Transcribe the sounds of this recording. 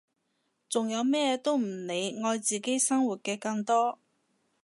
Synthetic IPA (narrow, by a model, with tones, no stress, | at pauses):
t͡sʊ˨ŋjɐ˨˧wmɛː˥t̪o˥wm̩˨˩ne˨˧jŋɔː˧jt͡siː˨ke˥jsɐ˥ŋwuː˨t̚kɛː˧kɐ˧ŋt̪ɔː˥